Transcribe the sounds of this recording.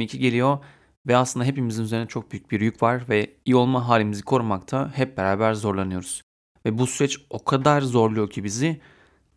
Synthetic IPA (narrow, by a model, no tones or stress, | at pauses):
icʰiɟe̞lʲijo̞ | vɛaslˠɯnd̪aɦe̞pimizinyze̞ɾinɛt͡ʃʰo̞k̚byjyc̚biɾjycvaɾvɛijio̞lˠmaɦaːlʲimizikʰo̞ɾmakt̪ʰahɛp̚beɾaːbæɾzo̞ɾlˠanɯjo̞ɾuz̥ | vɛbusyɾɛt͡ʃo̞kʰad̪aɾzo̞ɾlˠujo̞cʰibizɪ